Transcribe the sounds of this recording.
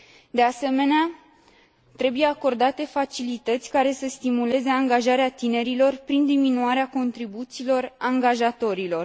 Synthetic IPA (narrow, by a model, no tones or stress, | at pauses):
d̪ease̞me̞nea | t̪ɾe̞buje̞ako̞rd̪at̪e̞fat͡ʃilit̪ət̪sʲkaɾe̞səst̪imule̞ze̞aŋɡaʒaɾeat̪ine̞ɾilo̞rpɾind̪iminuaɾeako̞nt̪ɾibut̪siːlo̞raŋɡaʒat̪o̞ɾilo̞r